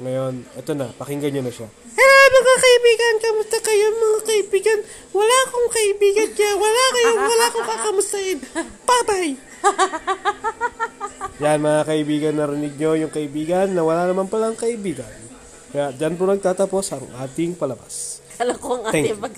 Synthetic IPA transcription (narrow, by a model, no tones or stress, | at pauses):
ŋɐjo̞nʔɛt̪o̞nɐpɐkɪŋɡɐɲonɐʃa | kɐɾomɐŋakɐʔɪbiːɡɐnkɐmʊst̪akɐjomɐŋakɐɪbiːɡɐn | wɐlakoŋkɐʔɪbiːɡɐnwɐlakɐjowɐlaʔkokɐkɐmʊst̪aɛnpaːbaj | janmɐŋakɐʔɪbiːɡɐnːɐɾɪnɪɡ̚ɲo̞jʊŋkɐʔɪbiːɡɐnːɐwɐlanɐmanpɐlaŋkɐʔɪbiːɡɐn | kɐjad͡ʒanp̬onɐɡ̚t̪aːt̪apo̞sʔɐŋʔaːt̪ɪŋpɐlɐbaskɐlɐkoɐŋʔaːɛŋɪ